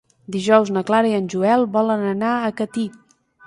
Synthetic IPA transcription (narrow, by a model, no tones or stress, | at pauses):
d̪iʒɔwznəklaɾiənʲʒuɛlˠbɔlənənaəkət̪i